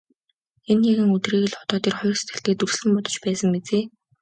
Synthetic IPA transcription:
enːaɣɘ̆ŋɵt̪riːɣɘ̆ɮχʊ̥t̪ɔːt̪iːrχʊjɞ̆kse̥t̪ɘ̆ɬt̪eːt̪urs̆ɮɘ̆mpɔt̪ɞ̥̆t͡ɕpæːsə̆ŋmet͡seː

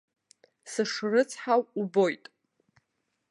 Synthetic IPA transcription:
sɨʂrɨt͡sʰħawubo̞jtʼ

